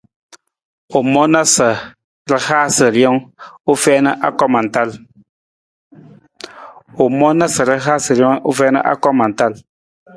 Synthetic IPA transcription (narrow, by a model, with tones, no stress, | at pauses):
u˨mɔ˦na˦sə˨ | ɾɨ˦haː˦sɨ˨ɾjɔ˦ŋu˦fɛː˦nə˦ʔa˦kɔ˦ma˨n˨ta˦˨l | u˨mɔ˦na˦sə˨ɾə˦ɦaː˦sɨ˨ɾjɔ˦ŋu˦fɛː˦nə̰˦ʔa̰˦kɔ˦ma˨n˨ta˦l